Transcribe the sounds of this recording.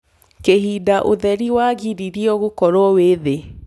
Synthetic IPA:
kehidaʔoðɛɾiwaɣiɾiɾiɔɣokɔɾɔweðe

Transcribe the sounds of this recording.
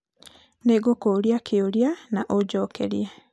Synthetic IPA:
neɡokoɾjakʰeoɾjanaʔod͡ʒɔːkɛ̰ɾja

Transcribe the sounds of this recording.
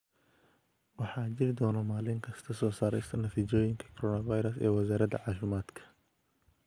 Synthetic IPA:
wɑħɑːt͡ʃɪɾɪd̪ɔːnɐmaːlɪŋkʰɐst̪ʰɐsɔːsaːɾɛjst̪ʰɐnɐt̪ʰiːt͡ʃɔːjɪŋkʰɐ̥kʰɔɾɔːnɐvajɾɐsɛ̰ːwɐsaːɾɐd̪ɐ̰ʕɑːʃɪmaːd̪kʰɐ̥

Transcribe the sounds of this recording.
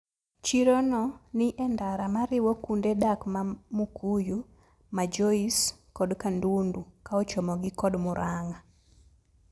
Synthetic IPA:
t͡ʃiɾonɔnɪʔɛndaɾamaɾɪwɔkundedakmamukʰuju | mad͡ʒɔiskɔdkandundukaɔt͡ʃɔmɔɡikɔdmʊɾʔaŋa

